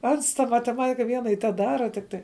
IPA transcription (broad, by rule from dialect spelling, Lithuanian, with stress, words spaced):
ˈɐns tɐ mɐtʲɛˈmɑːtʲɪkɐ ˈʋʲiɛnɐ ɪr tʲɛˈdɑːrɐ ˈtʲɪkˌtɐɪ